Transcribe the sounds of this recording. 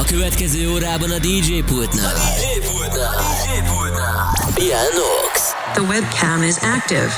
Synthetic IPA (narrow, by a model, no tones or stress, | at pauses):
ɒkøvɛt̪kɛzøːoːɾaːbɒnɒd̪iːd͡ʒeːpult̪na̰l̰ | b̥iɛlno̰ks | ðəwɛb̚kʰæ̃mɪzæk̚tɪ̰v̥